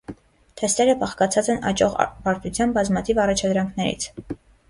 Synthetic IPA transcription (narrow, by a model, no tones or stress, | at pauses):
t̪ʰɛst̪ɛɾəbɑχkɑt͡sʰɑt͡sɛnɑ̰t͡ʃɔʁ̰pɑɾt̪ʰut͡sʰjɑnbɑzmɑt̪ʰivɑrɑt͡ʃʰɑd̪ɾɑŋkʰnɛɾḭt͡sʰ